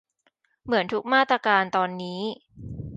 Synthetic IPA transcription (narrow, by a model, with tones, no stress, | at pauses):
mɯ˩˦ənt̪ʰu˦˥k̚maː˥˩t̪ɾaː˧kaː˧nt̪ɔː˧nːiː˦˥